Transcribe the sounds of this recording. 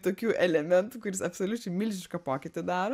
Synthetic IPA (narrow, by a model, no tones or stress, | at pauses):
t̪oːkʲuːʔɛlʲɛmʲɛnt̪uːkʊɾʲɪsɐpsolʲʊt͡ʃʲɛɪmʲɪlʲʒʲɪʃkɐpoːkʲɪt̪ʲɪd̪ɑːɾoː